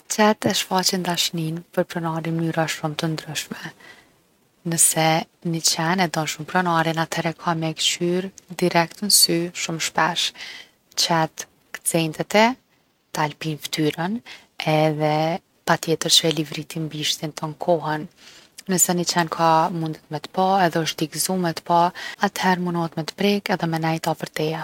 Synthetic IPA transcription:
t͡ʃɛt̪ɛʃfat͡ɕɛnd̪aʃninpəɾpɾɔnaɾimnyɾaʃumt̪ənd̪ɾyʃmɛ | nəsɛ | nit͡ɕɛnɛd̪ɔnʃumpɾɔnaɾinat̪ʰɛɾɛkʰamɛkt͡ʃyɾd̪iɾɛk̚t̪ənsyʃumʃpɛʃ | t͡ɕɛt̪ | kə̥t͡sɛnt̪ɛt̪ɛ | t̪alpinft̪yɾən | ɛðɛ | pat̪jɛt̪əɾʃɛlivɾit̪imbiʃt̪int̪ʰəŋkʰɔɦɛnː | əsɛnət͡ɕɛnkʰamund̪ɛt̪mɛt̪ə̥paɛðɛəʃt̪t̪ikzumɛt̪ə̥paat̪hɛɾmunɔhət̪mɛt̪ə̥pɾɛkɛðɛmɛnɛjt̪apəɾt̪ɛa

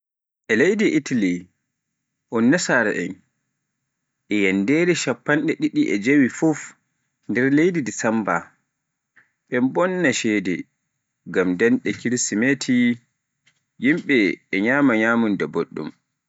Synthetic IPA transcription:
ʔɛlejdiʔitali | ʔɔnːasaɾaʔɛ̰n | ʔɛjɛndeɾɛʃapːanɗɛɗiɗiʔɛd͡ʒewifuf | ndɛɾlejdidisamba | ɓɛmbɔnːaʃɛdɛ | ɡamdɛnɗɛkiɾsimetʰi | jimɓɛːɲaːmaɲaːmundaboɗːṵm

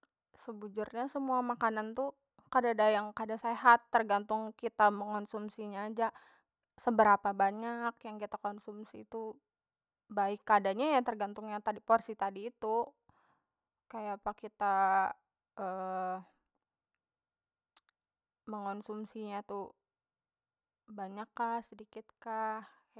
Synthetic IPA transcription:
səbud͡ʒʊrɲasəmuamakanant̪u | kadadajaŋkadaseɦat̪ːərɡant̪ʊŋkit̪aməŋɔnsumsiɲaːd͡ʒa | səbəɾapabaɲakjaŋkit̪akonsumsiːt̪u | baɪkːadaɲajat̪ərɡant̪ʊŋɲat̪adiporsit̪adiːt̪u | kajapakit̪a | ʔəː | məŋonsumsiɲat̪u | baɲakːahsədikɪt̪̚kah

